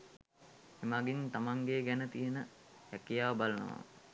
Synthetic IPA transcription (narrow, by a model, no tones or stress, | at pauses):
emaɡint̪amaŋɡeɡænət̪ijənə | jækijaːʋbalənə̰ʋa̰